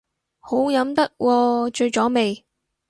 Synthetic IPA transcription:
ho˨˥wjɐ˨˥mt̪ɐ˥k̚wʔɔː˧t͡ʃɵ˧ɥt͡sɔː˨˥me˨j

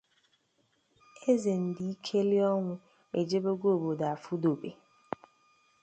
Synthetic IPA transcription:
e˦ze˨n̩˨di˨i˦kʰe˦li˦ɔ˦ŋʷʊ˦ | k͡pe˨d͡ʒe˦bo˦ɡo˦o˨bo˨da˨a˨fu˦do˨be˨

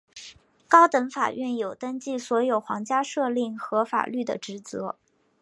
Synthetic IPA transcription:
kɑ˥ʊt̪ɤ˧˥ŋfa̰˨˩ɥɛ˥˩njo˨˩ʊt̪ə˥ŋt͡ɕi˥˩swɔ˧˥jo˨˩ʊxwɑ̰˧˥ŋt͡ɕja˥ʂɤ˥˧li˥˩ŋxɤ˧˥fa̰˨˩ly˥˩d̪ə̰˩ʈ͡ʂɻ̩˧˥t͡sɤ˧˥

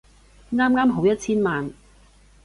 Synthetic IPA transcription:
ŋaː˥mŋaː˥mɦo˨˥wjɐ˥t̚t͡sʰiː˥nmaː˨n

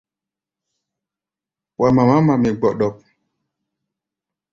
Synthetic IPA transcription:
wʔa˨ma˨ma˦ma˨mi˨ɡ͡bɔ˨ɗɔ˨p̚

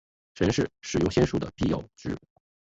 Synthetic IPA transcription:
ʈ͡ʂʰə˧˥ŋʂɻ̩˥˩ʂɻ̩˨˩jʊ˥˧ŋɕjɛ˥nʂu˥˩d̪ə̰˩pi˥˧jɑ̰˥˩ʊʈ͡ʂɻ̩˥

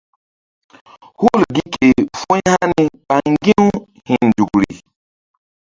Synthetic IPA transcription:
hu˦˨lɡi˦ke˨fũ˦ha˦ni˦pa˨ŋŋɡi˦w | hĩ˨nndu˨kɾi˨

